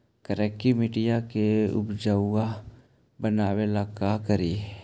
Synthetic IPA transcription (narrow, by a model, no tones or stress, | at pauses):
kəɾɛːkːimɪʈijakeʊ̰pd͡ʒaːʊa | bənaːwelakakəɾiː